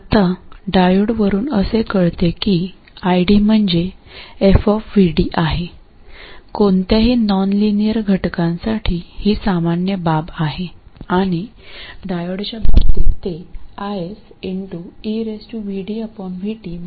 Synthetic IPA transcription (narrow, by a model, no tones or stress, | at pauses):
t̪aɖajoɽʋəɾuːnəsekəɭt̪ekiː | ajɽiːm̤əɳd͡zeefɔfʋiɽiːʔaɦe | kont̪jaɦiːnɔnlinijəɾɡʱəʈkãnsaʈʰiːhiːsamanjəbabaɦeaɽ̃iɖajoɽt͡ɕjababt̪it̪eajes | iɳʈuiɾesʈuʋiɽiapəɳʋʱiʈiːm